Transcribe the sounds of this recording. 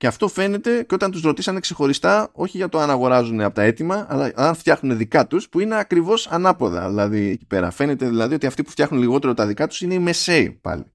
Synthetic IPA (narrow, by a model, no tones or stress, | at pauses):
ceɐft̪o̞fe̞ne̞t̪e̞ceot̪ɐnt̪uzɾo̞t̪isɐne̞kse̞xo̞ɾist̪ɐo̞çiʝɐt̪o̞ɐnɐɣo̞ɾɐzuneɐpo̞t̪ɐe̞t̪imɐːlɐɐnft̪çɐxnune̞ðikɐt̪uspuine̞ɐkɾivo̞sɐnɐpo̞ðɐ̰ðilɐðiecipe̞ɾɐ̰fe̞ne̞t̪e̞ðilɐðio̞t̪iɐft̪ipu̥ft̪çɐxnunliɣo̞t̪e̞ɾot̪ɐðikɐt̪u̥sine̞ime̞se̞ḭpɐ̰li